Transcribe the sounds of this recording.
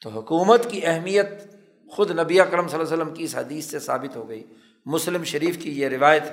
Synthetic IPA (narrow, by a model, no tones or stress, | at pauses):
t̪oɦʊkuːmət̪kiɛɦmijət̪̚ | xʊd̪nɐbiaɐkɾəmsɐlːaːsəlːəmkiɪsɦɐd̪iːsːesa̰ːbɪt̪ɦoɡɐiː | mʊslɪmʃɐɾiːfkijeɾɪʋaːjət̪